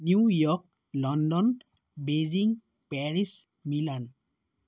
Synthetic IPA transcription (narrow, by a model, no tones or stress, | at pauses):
njujɔk̚ | lɔndɔn | beziŋ | pɛɹis | milan